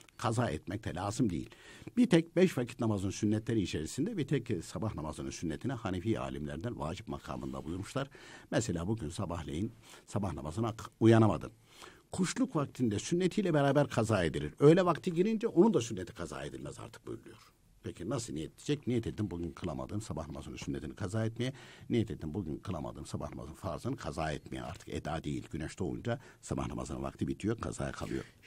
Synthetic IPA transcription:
kʰazaːɛ̰t̪mɛc̚t̪ʰɛlʲaːzɯmd̪ejḭlʲb̥iɾt̪ʰɛc̚bɛʃvacʰit̪namazɯnsynːɛt̪lʲeɾiːt͡ʃʰeɾisind̪ɛbit̪ʰɛcsabahnamazɯnɯnsynːet̪ʰinɛhanifiːa̰ːlʲimlʲḛɾd̪ænva̰ːd͡ʒipma̰kʰa̰ːmɯ̰nd̪a̰bujuɾmuʃlˠaɾ̥mɛselʲaːbuɟynsabahlʲejinsabahna̰mazɯnaujanama̰d̪ɯ̰n | kʰuʃlˠukvak̚t̪ʰind̪ɛsynːet̪ʰijlʲɛbeɾaːbæɾkʰazaːed̪iɾiɾø̞jlʲɛvakt̪ʰɯɟiɾind͡ʒɛʔonund̪asynːet̪ʰi̥kʰaza̰ːed̪ilʲmɛza̰ɾt̪ʰɯ̥k̚bøjylʲˠyjo̞ɾ̥ | pʰecʰinasɯnijɛt̪ʰd̪id͡ʒɛcnijɛt̪ʰed̪imbuɟynkʰɯlˠama̰d̪ɯːnsabahnamazɯnasynːet̪ʰinikʰazaːɛt̪mejɛnijɛt̪ʰed̪imbuɟynkʰɯlˠama̰d̪ɯ̰ːnsabahna̰ma̰zɯnfaɾzɯnɯkʰazaːɛt̪mejɛ̰a̰ɾt̪ʰɯ̥kḛd̪aːd̪ḛjḭlʲɟynɛʃt̪ʰo̰ṵnd͡ʒa | saba̰hna̰ma̰zɯna̰va̰kt̪ʰɯbit̪ʰijokʰa̰za̰ːja̰kʰa̰lˠɯ̰jo̰ɾ

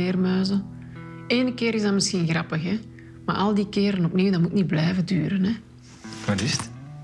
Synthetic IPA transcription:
ɪːrmœːzə | eːnəkɪːɾɪzdɑməsxinɣrɑpəxɛ | ma̰ːʔɑlˠdiːkɪːɾənɔpniːwdɑmutniblɛjvədyːɾənɛ | ʋatɪst

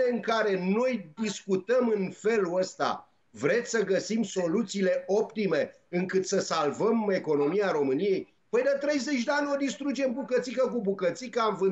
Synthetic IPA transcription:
eɨŋkaɾe̞no̞jd̪iskut̪əmɨnfe̞luəst̪a̰ | vɾe̞t̪sʲsəɡəsimso̞lut̪siːle̞ʔo̞pt̪ime̞ | ɨŋkɨt̪səsalvəme̞ko̞no̞miaɾo̞mɨnije̞j | pəjd̪ət̪ɾe̞jze̞t͡ʃʲd̪eanʲo̞d̪ist̪ɾud͡ʒe̞mbukət̪sikək̬ubukət̪sikəaɱvɨ

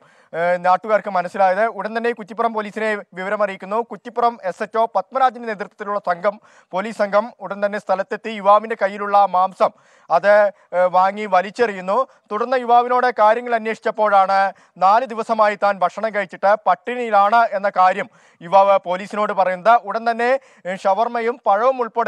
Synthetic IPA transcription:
naːʈːuɣaːrkɨmɐnɐsːilaːjɐðɨuɽɐnt̪ɐnːe̞kut̪ːipːurɐmpo̞ːliːsine̞ʋiʋɐɾɐmɐrijikʲːunːukutːipːurɐme̞setːo̞ːpɐt̪̚mɐɾaːd͡ʑɐmɐne̞ːt̪rt̪ːɐt̪ːiluɭːɐsɐŋɡʱɐm | po̞ːliːssɐŋɡʱɐmuɽɐnt̪ɐnːest̪ʰɐlɐt̪ːet̪ːijuʋaːʋinde̞kɐjːiluɭːɐmaːmsɐm | ɐðɨ | ʋaːŋːiʋɐlit͡ɕːɐrijːunːu | t̪uɽɐrnːɐjuʋaːʋino̞ːɽekaːɾjɐŋːɐɭɐnːje̞ːʂi̥t͡ɕːɐpːo̞ːɻaːɳɨ | naːlɨd̪iʋɐsɐmaːjit̪ːaːnbʱɐkʂɐɳɐŋkɐɻit͡ɕːiʈːɨpɐʈːinilaːɳɨe̞nːɐkaːɾjɐm | juʋaːpo̞ːliːsino̞ːɽɨpɐrɐjunːɐðɨʔuɽɐnt̪ɐnːe̞ | ʂɐʋɐrmɐjumpɐɻɐʋumuɭpoːɽ

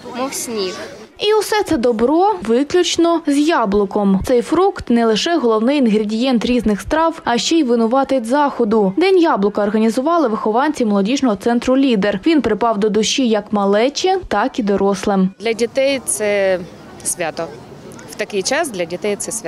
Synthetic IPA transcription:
mɔwsʲnʲix | iʊsɛt̪sɛd̪ɔbɾɔʋɪklʲʊt͡ʃnɔzʲjɑblˠʊkɔmt̪sɛjfɾukt̪nɛlˠɪʃɛɦɔlˠɔwnɪjinɦɾʲɪdʲijɛnt̪ɾʲiznɪxst̪ɾɑwɐʃt͡ʃɛjʋɪnʊʋɑt̪ɪtʲzɑxɔd̪ʊd̪ɛnʲjɑblˠʊkɐːrɦɐnʲizʊʋɑlˠɪʋɪxɔʋɑnʲt͡sʲimɔlˠɔdʲiʒnɔɦɔt̪sɛnt̪ɾʊlʲid̪erʋʲinpɾɪpɑwd̪ɔd̪ʊʃijɐkmɐlˠɛt͡ʃɛt̪ɑkid̪ɔɾɔslˠɪmd̪lʲɐdʲit̪ɛjt̪sɛ | sʲʋʲat̪ɔ | w̥t̪ɐkɪjt͡ʃɑsd̪lʲɐdʲit̪ɛjt̪sɛsʲʋʲ

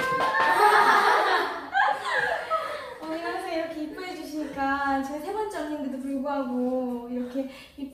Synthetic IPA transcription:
oinasʰʌiɾʌkʰe̞ip͈ːuɦed͡ʑuɕʰiɲik͈at͡ɕʌesʰe̞bʌnt͡ɕ͈ʌŋɲindedopuɭɡuɦaɡoiɾʌkʰe̞ | ip̚

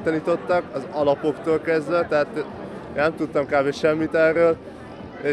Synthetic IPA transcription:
t̪ɒniːt̪o̞t̪ːɒkɒzɒlɒpo̞kt̪oːlkɛzd̪ʋɛt̪ɛɦaːt̪ | enɛmt̪ut̪ːɒmkaːbeʃɛmːit̪ɛrːøːl | e

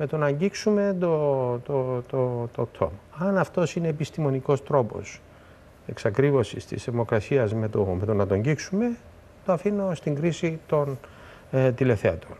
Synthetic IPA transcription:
me̞t̪o̞nɐɲɟiksume̞t̪ot̪ot̪ot̪ot̪ʰo̰mɐnɐft̪o̞sine̞ːpist̪imo̞niko̞st̪ɾo̞po̞̰s | e̞ksɐkɾivo̞sist̪ḭsθe̞vmo̞kɾɐsiɐzme̞t̪omet̪o̞nɐt̪oɲɟiksume | t̪oɐfino̞st̪iŋɡɾisit̪o̞n | t̪ile̞θeɐt̪on

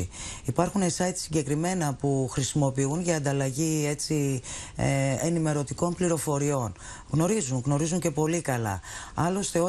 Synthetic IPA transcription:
iipɐɾxunesɐjt̪i̥siɲɟe̞kɾime̞nɐpuxɾisimo̞piunʝɐːnd̪ɐlɐʝie̞t͡si | enime̞ɾo̞t̪iko̞mpliɾo̞fo̞ɾio̞n | ɣno̞ɾizuŋɣno̞ɾizuɲce̞po̞likɐlɐ̰ | ɐlo̞st̪e̞o̞

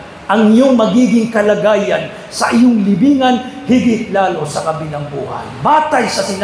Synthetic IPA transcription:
ʔɐŋɪjoŋmɐɡiːɡɪŋkɐlɐɡaːjɐn | sɐʔɪjʊŋlɪbiːŋɐnhɪɡɪt̪̚laːlo̞sɐkɐbɪnɐŋbuːhɐ̰nbaːt̪ɐjsɐsɪn

